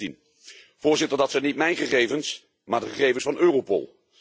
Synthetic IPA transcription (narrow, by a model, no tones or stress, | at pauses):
in | v̥ʊːɹzɪtəɹdɑtsɛnitmɛjnχəχejvəns | maːɹdəχəχejvənsfɑnøːropo̰lˠ